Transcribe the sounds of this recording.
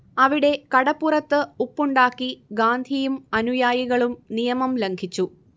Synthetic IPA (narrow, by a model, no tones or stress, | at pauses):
ɐʋiɽe̞kɐɽɐpːurɐt̪ːɨupːuɳɖaːkːiɡaːnd̪ʱijumɐnujaːjiɣɐɭumnijɐmɐmleŋɡʰʱit͡ɕːu